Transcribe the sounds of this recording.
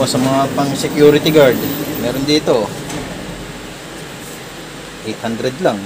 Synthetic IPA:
osɐmɐŋapɐŋsɛkjuːɾɪt̪ɪɡaɹd̪mɛːɾond̪iːt̪o̞ | ʔejt̪hand̪ɾɛd̪laŋ

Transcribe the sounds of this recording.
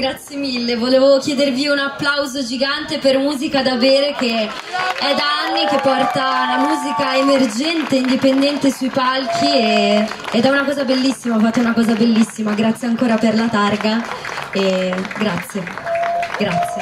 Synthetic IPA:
ɡɾat̪sjemilːevoleːvookjɛːd̪erviunapːlawzod͡ʒiɡant̪epermuːzikad̪aveːɾek̟e | ɛd̪aanːik̟epːɔrt̪alamuːzikaemerd͡ʒɛnt̪eind̪ipend̪ɛnt̪esuipalkʰieed̪ɛunakɔːzabelːisːimaafat̪ːounakɔːzabelːisːimaɡɾat̪sjeaŋkoːɾaperlat̪arɡaeɡɾat̪sːje | ɡɾat̪sːje

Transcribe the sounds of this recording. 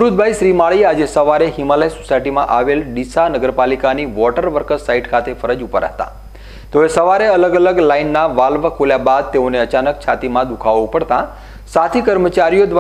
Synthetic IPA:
ɾud̪̚bʱajʃɾimaɭiad͡ʒesəʋaɾeɦimaləjisosajʈimãʔaʋelɖisanəɡəɾpalikaniʋɔʈəɾʋəɾkəsaiʈkʰat̪efʰəɾəd͡ʒupəɾa̰ɦt̪a̰ | t̪oesəʋaɾeələɡələɡlainːaʋalʋəkʰoljabad̪̚t̪eoneət͡ʃanək̚t͡ʃʰat̪imãd̪ukʰaʋũpəɽt̪ã | sat̪ʰikəɾmət͡ʃaɾijod̪ʋa

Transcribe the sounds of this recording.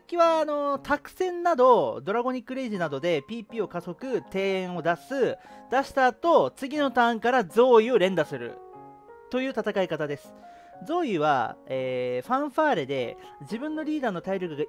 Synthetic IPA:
akʲiβaːno̞t̪ʰakɯ̟̥sẽ̞nːad̪o̞d̪o̞ɾaɡo̞ɲ̟ikːɯ̟ɾe̞ʑinad̪o̞d̪e̞pʲiːpʲiːo̞kaso̞kɯ̟t̪e̞ːẽɰ̃o̞d̪asɨd̪̥aɕi̥t̪aːt̪o̞t͡sɨɡʲino̞t̪ãŋkaɾazo̞ːio̞ɾẽ̞nd̪asɨɾɯ̟̰ | t̪o̞jɯ̟ːt̪at̪akaikat̪ad̪e̞sɨ̥ | d͡zo̞ːiβa̰eːɸãɰ̃ɸaːɾed̪e̞d͡ʑibɯ̟̃nːo̞ɾʲiːd̪aːnːo̞t̪aiɾʲoɡɯ̟ɡa

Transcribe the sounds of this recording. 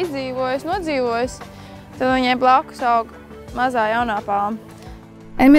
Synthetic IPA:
izd̪ziːʋuɔjsnuɔd̪ziːʋuɔjs | t̪ad̪iɲɛmblˠakʊ̥saʊɡ | mazaːjaʊnaːpaːm | ɛmi

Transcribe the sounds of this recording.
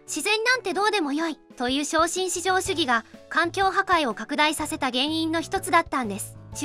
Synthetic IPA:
ɕizẽ̞nːãnt̪e̞d̪o̞ːd̪e̞mo̞joit̪o̞jɯ̟ːɕo̞ːɕĩɰ̃ɕiʑo̞ːɕɨɡʲiɡakãŋkʲo̞ːɦakaio̞kakɯ̟d̪aisase̞t̪aɡẽ̞ɰ̃ĩnːo̞çi̥t̪o̞t͡sɨd̪at̪ːãnd̪e̞sɨ̥

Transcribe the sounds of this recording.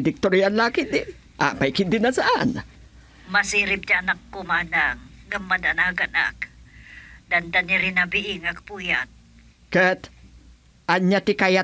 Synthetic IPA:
d̪ɪk̚t̪oɾianlakɪd̪ɪ | ʔa̰majkɪd̪ɪnasaʔan | masiɾɪp̚t̪aanakːomadaŋɡamːad̪anaɡana̰k | d̪and̪aniɾinabiʔiŋak̚pujat̪̚ | kət̪ | ʔaɲat̪ɪkaja

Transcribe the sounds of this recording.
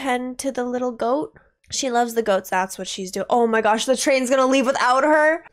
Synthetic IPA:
ɛ̃ntʰɨðəlɪɾl̩ˠɡoʊt̚ | ʃilʌvzðɨɡoʊt̪sðætswʌtʃizdʉʔoʊmaɪɡɑʃðɨtʰɹ̥ẽɪ̃nzɡʌnəlivwɨθaʊt̚hə˞

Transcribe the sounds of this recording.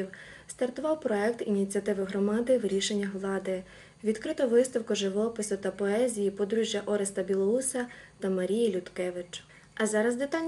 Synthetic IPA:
iw | st̪ɐrt̪ʊʋɑwpɾɔɛkt̪inʲit͡sʲiɐt̪ɪʋɪɦɾɔmɑd̪ɪwɾʲiʃe̞nʲːɐɦlˠɑd̪ɪ | ʋʲid̪kɾɪt̪ɔʋɪst̪ɐwkʊʒɪʋɔpɪsʊt̪ɐpɔɛzʲijipɔd̪ɾuʒʲjɐʔɔɾest̪ɐbʲilˠɔusɐt̪ɐmɐɾʲijilʲʊt̪kɛʋɪt͡ʃ | ɐzɑɾɐzd̪ɪt̪ɑnʲ

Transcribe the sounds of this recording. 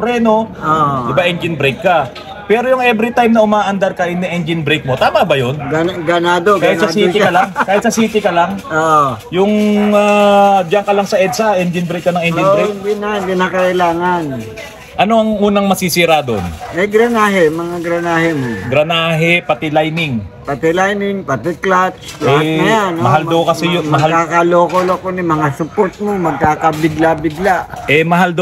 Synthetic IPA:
ɾɛːno̞od̪ɪbaʔɛnd͡ʒɪnbɾejkːa | pɛːɾojʊŋʔɛvɾɪt̪ajmnɐʊmaːʔɐnd̪ɐɾkɐʔɪnɛʔɛnd͡ʒɪnbɾejk̚mo̞t̪aːmɐbɐjonɡɐɡɐnaːd̪okaaːhɪt̪sɐsiːɪkɐlaŋkaːhɪt̪sɐsiːt̪ɪkɐlaŋoʔjʊŋad͡ʒɐŋkɐlɐŋsɐʔɛd̪saʔɛnd͡ʒɪnbɾejkːɐnɐŋʔɛnd͡ʒɪbɾejdɪnadɪnakɐʔɪlaːŋan | ʔɐno̞ɐŋʔuːnɐŋmɐsisiɾad̪o̰nɛɡɾɐnaːɦɛmɐŋaɡɾɐnaːhɛmoɡɾɐnaːɦɛpɐt̪ɪlajnɪŋpɐt̪ɪlajnɪŋpɐt̪ɪklat͡ʃɛjanmɐɦald̪okɐsɛjonmɐɦalkakaloːkolɐkonɪmɐŋasʊpoɾt̪̚momɐɡ̚kaːkɐbɪɡlabɪɡlaʔɛmɐɦald̪o

